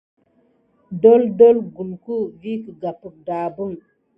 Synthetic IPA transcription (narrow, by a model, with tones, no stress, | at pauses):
do˦ldo˦lɡu˨lku˦vi˦kə˨ɡa˨pə˨k̚da˨bu˦ŋ